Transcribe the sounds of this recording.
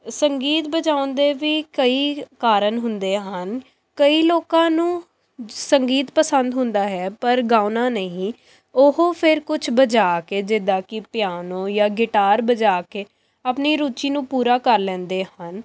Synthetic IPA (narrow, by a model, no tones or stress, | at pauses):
səŋɡiːt̪bəd͡ʒaːʊ̃nd̪eːʋiːkəiːkaːɾənɦʊnd̪eːɦən | kəiːloːkãːnũː | səŋɡiːt̪pəsənd̪ɦʊnd̪aːɦɛːpəɾɡaːʊnãːnəɦĩː | ʊɦoːpʰɪɾkʊt͡ʃʰbəd͡ʒaːkeːd͡ʒɪd̪ãːkɪpɪjaːnõːjaːɡɪʈaːɾbəd͡ʒaːkeː | aːpniːɾuːt͡ʃiːnũːpuːɾaːkəɾlɛ̃ːnd̪eːhən